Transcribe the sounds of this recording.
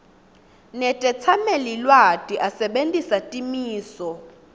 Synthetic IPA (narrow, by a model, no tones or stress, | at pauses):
nɛtʼɛt͡sʰamelilwatʼiʔasɛɓentʼisatʼimiːsɔ